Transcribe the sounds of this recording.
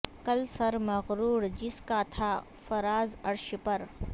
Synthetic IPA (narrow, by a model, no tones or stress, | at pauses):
kɐlsɐɾmɐɣɾuːɾd͡ʒɪskat̪ʰa | fɐɾaːzɐɾʃpɐɾ